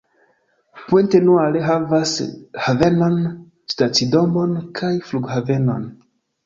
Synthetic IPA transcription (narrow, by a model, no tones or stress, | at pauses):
puntenualeɦavashave̞non | stat͡sido̞mbo̞nkʰajfluɡhave̞no̞̰n